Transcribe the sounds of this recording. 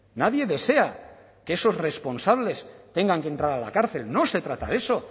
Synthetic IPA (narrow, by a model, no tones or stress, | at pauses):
naðje̞ðe̞se̞a | keeso̞sre̞spo̞nsaβ̞le̞st̪e̞ŋɡaŋkent̪ɾaɾala̰kaɾθe̞lno̞se̞t̪ɾat̪a̰ðe̞so̞